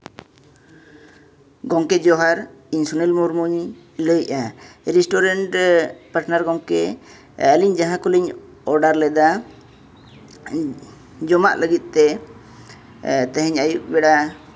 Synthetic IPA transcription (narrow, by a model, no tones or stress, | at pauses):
ɡɔŋkɛd͡ʒɔɦaɾinsunɛlmuɾmuɲ | ləjaɾisʈɔɾɛɳʈpaɾʈnaɾɡɔŋkɛ | əliɲd͡ʒãɦãkuliɲ | ɔɾɖaɾlɛd̪a | d͡ʒɔma̰ʔləɡit̪̚ˀt̪ɛ | t̪ɛɦɛɲajuʔ̚bɛɽa